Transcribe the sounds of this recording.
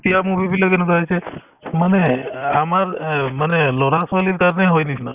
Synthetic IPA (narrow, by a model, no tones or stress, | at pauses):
t̪jamubibʱiləɡenud͡ʒajt͡ʃʰe | məneamaɾmənelɔɾasʋaliɾk̪aɾneɦojnisʰna